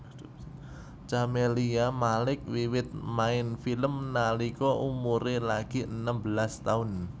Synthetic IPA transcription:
t͡ʃameliamalɪk̚wiwɪt̪̚maɪnfiləmnalikɔʔumuɾelaɡ̥i̤ənəmbəlast̪aʊn

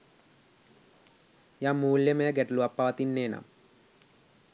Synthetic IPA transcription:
jamːuːljɐmeːɡeʈluɐpːaːʋɐt̪inːeːna̰m

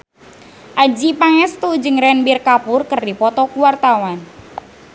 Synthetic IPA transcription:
ʔad͡ʒipaŋɛst̪ud͡ʒɨŋɾɛnbirkapʊrkərdipɔt̪ɔkuwart̪awan

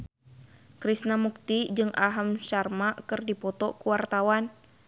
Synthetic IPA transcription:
kɾisnamuk̚t̪id͡ʒɨŋʔaɦamʃarmakɨrdipɔt̪ɔkuwart̪awan

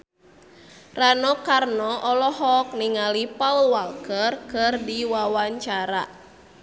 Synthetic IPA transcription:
ranɔkarnɔʔɔlɔɦɔk̚niŋalipaulwalkərkɨrdiwawaɲt͡ʃaɾa̰

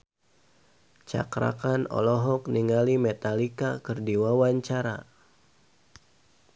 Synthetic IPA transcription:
t͡ʃa̰kɾa̰kanɔ̰lɔɦɔkniŋalimɛt̪alikakɨrdiwawaɲt͡ʃaɾa̰

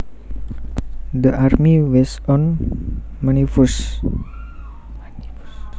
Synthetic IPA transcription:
d̪əʔarmiwɛsɔn | mənifus

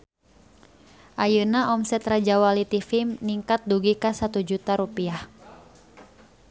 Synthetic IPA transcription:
ʔajənaʔɔmsɛt̪rad͡ʒawalit̪ifimniŋkat̪̚duɡikasat̪ud͡ʒut̪aɾupiah

